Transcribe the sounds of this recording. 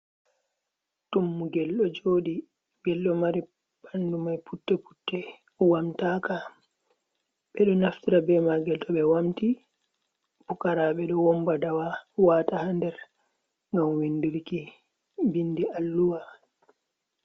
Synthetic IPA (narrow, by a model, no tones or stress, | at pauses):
tumːuɡɛlɗɔd͡ʒoːɗi | ɡ̥ɛlɗɔmaɾi | b̥andumajpʰutːɛpu̥tːɛ | wamtaːka | ɓɛɗɔnaftiɾabɛmaɡɛltɔɓɛwamti | pukaɾaːɓɛɗɔwɔmbadawawaːtahandɛɾ | ŋɡamwinːduɾki | bindiʔalːuwa